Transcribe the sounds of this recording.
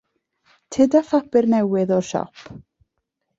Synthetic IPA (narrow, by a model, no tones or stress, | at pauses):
tʰɪdafabɪrnɛwɪðɔrʃɔ̰pʰ